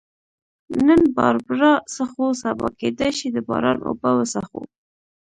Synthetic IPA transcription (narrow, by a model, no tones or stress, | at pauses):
nənbɑɾbɾɑsaxosabɑ̰ked̪ajʃid̪əbɑ̰ɾɑnʔo̰bawəsaxo̰